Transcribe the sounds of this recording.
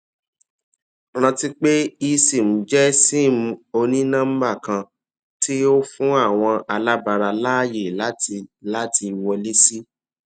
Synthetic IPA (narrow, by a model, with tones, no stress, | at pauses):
ɾ̃ã˧ti˦k͡pe˦i˧si˨m̩̃˨˦d͡ʒɛ˦si˦˨m̩̃˧o˧nĩ˦nã˦m̩˦ba˦˨kã˧ | ti˦o˦fũ˦a˦˨w̃ɔ̃˧ʔa˧la˦ba˧ɾa˧laː˦je˨la˦la˦ti˧wɔ˧le˦si˦